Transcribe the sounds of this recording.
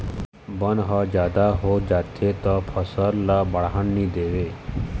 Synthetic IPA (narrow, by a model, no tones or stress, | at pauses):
bənɦəd͡ʒaːd̪aɦod͡ʒaːt̪ʰet̪ɔpʰəsəɾlabəɭɦəɳniːd̪eʋeː